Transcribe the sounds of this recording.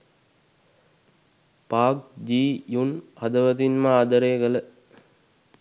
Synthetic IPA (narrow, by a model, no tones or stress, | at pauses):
paːk̚d͡ʒiːjunhɐd̪əʋət̪̬inməaːd̪əɾeːkələ